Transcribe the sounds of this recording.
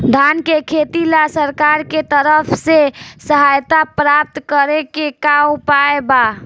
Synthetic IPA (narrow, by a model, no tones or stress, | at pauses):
d̪ʱankekʰet̪ilasəɾkaɾket̪əɾəpʰsesəɦajt̪apɾap̚t̪kəɾekekaupaeba